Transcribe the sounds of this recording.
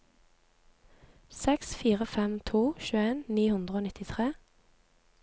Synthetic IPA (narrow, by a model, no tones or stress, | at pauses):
sɛksfiːʁəfɛmt̪ʰuːʃʉːəeːnniːhʉnd̪ʁəoːnɪt̪ɪt̪ʰʁeː